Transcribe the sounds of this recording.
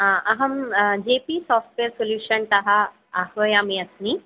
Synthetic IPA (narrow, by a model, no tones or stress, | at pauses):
ãɐɦɐmd͡ʑepisɔːfʈʋeəɾsoljuːɕənt̪ɐɦaː | hʋɐjamiɐsni